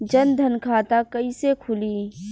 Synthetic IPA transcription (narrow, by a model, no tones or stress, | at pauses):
d͡ʒɐnd̪ʱɐnkʰaːt̪akɐisekʰʊliː